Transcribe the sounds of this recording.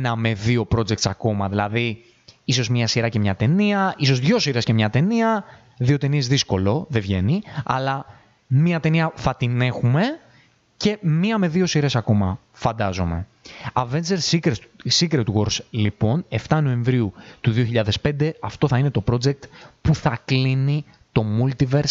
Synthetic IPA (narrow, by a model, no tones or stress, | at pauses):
nɐme̞ðio̞pɾo̞d͡zek̚t̪sɐko̞mɐðilɐði | iso̞zmɲɐsiɾɐce̞mɲɐt̪e̞niɐiso̞zðʝo̞siɾe̞sce̞mɲɐt̪e̞niɐ | ðio̞t̪enie̞zðisko̞lo̞ðevʝe̞niɐ̰lɐ | miɐt̪e̞niɐθɐt̪ine̞xume̞ | ce̞miɐme̞ðio̞siɾe̞sɐko̞mɐ̰ | fɐnd̪ɐzo̞me̞̰ | ɐve̞nd͡zeɾsikɾesikɾet̪uɣo̞ɾslipo̞ne̞ft̪ɐno̞ẽ̞ɱvɾiut̪uðio̞çiʎɐðe̞spe̞nd̪e̞ɐft̪o̞θɐine̞t̪o̞pɾo̞d͡zek̚t̪puθɐklini | t̪o̞mult̪ive̞ɾs